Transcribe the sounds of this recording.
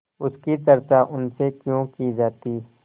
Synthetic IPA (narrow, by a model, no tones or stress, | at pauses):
ʊskit̪ɐɾt̪aʔʊnsekjõːkid͡ʒaːt̪iː